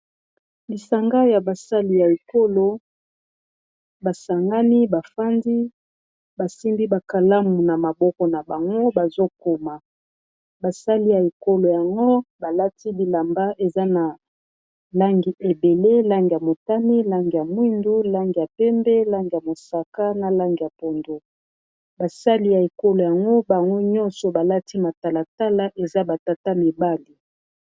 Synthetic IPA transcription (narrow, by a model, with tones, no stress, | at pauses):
li˨sa˨ŋɡa˦ja˨ba˨sa˦li˦ja˨e˨ko˦lo˨ | ba˨sa˨ŋɡa˦ni˦ba˨fa˦ndi˦ | ba˨si˦mbi˦ba˨ka˨la˦mu˨na˨ma˨bɔ˦kɔ˨na˨ba˨ŋɡo˦ba˨zo˦ko˨ma˨ | ba˨sa˦li˦ja˨e˨ko˦lo˨ja˨ŋɡo˦ba˨la˦ti˦bi˨la˨mba˦ʔe˨za˦na˨ | la˦ŋɡi˨ʔe˨be˨le˦la˦ŋɡi˨ja˨mo˨ta˦mi˦la˦ŋɡi˨ja˨mwi˦ndu˦la˦ŋɡi˨ja˨pɛ˦mbɛ˦la˦ŋɡi˨ja˨mo˨sa˨ka˦na˨la˦ŋɡi˨ja˨pɔ˨ndo˨ | ba˨sa˦li˦ja˨e˨ko˦lo˨ja˨ŋɡo˦ba˨ŋɡo˦ɲɔ˦nsɔ˨ba˨la˦ti˦ma˨ta˨la˨ta˦la˦ʔe˨za˦ba˨ta˨ta˦mi˨ba˦li˨